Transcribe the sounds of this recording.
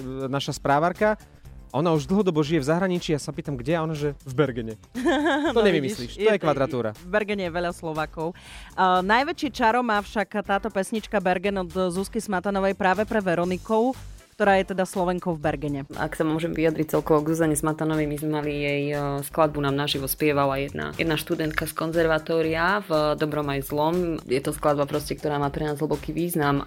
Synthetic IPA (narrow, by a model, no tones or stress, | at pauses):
naʃaspɾaːʋaɾka | ɔnauʒd̪l̩ɦɔd̪ɔbɔʒijɛvzaɦɾaɲit͡ʃiːjasapiːt̪amɡɟɛaɔnaʒɛvbɛɾɡɛɲɛ | t̪ɔɲɛʋimissliʃt̪ɔjɛkʋad̪ɾat̪uːɾa̰vbɛɾɡɛɲɛjɛʋɛʎaslɔʋaːkɔʊ | najʋɛt͡ʃit͡ʃaɾɔmaːfʃakt̪aːt̪ɔpɛsɲit͡ʃkabɛɾɡɛnɔd̪zuskɛsmat̪anɔʋɛjpɾaːʋɛpɾɛʋɛɾɔnikɔʊkt̪ɔɾaːjɛt̪ɛd̪aslɔʋɛŋkɔʊvbɛɾɡɛɲɛa̰ksamʊɔʒɛmʋijad̪ɾic̚t͡sɛlkɔʋɔɡzuːzaɲɛsmat̪anɔʋɛjmizmɛmalijɛjsklad̪̚bunaːmnaʒiʋɔspɪɛʋalajɛd̪na̰jɛ̰d̪naʃt̪ud̪ɛnt̪kaskɔnzɛɾʋat̪ɔːɾiavd̪ɔbɾɔmajzlɔmjɛt̪ɔsklad̪̚bapɾɔscɛkt̪ɔɾaːmaːpɾɛnaːzɦ̩bɔkiːʋiːznam